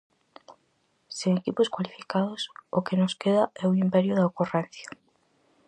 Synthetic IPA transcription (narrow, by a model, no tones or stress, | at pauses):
seŋekiposkwalifikaðosokenoskeðaɛoimpɛɾjʊðaokorɛn̟θjḁ